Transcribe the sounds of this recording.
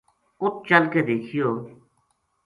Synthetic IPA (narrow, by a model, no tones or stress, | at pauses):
ʊt̪̚t͡ʃəlkeːd̪eːkʰɪjoː